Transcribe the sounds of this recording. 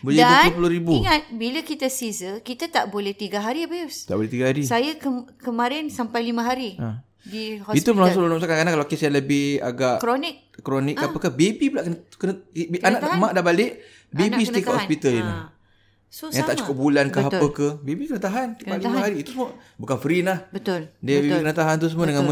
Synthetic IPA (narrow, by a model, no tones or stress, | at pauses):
bəldaəp̬uluɾibuiŋat̪̚biləkit̪asizəkit̪at̪aʔbolɛht̪iɡaɦaɾiabəjust̪a̰ʔbolɛht̪iɡahaɾisajakəmkəmaɾɪnsampajlimə̃ɦaɾia | dihɔit̪uəlslolumsakankanakalakesajaləbɪha̰ɡaʔkɾonɪk̚ːɾonɪʔkkapəkahbebibulaʔkənə̥kənəianãʔ̪amãʔdaʔbalɪʔ | bebisət̪ikahɔspit̪əlina̰ | sojãŋt̪aʔt͡ʃu̥kʊp̚bulankaɦapəkəbebikənət̪aɦant̪ialimaɦaɾiːt̪usəməbukanfəɾinlahbət̪ʊldəbebikənət̪aɦant̪̬usəmuədəŋanm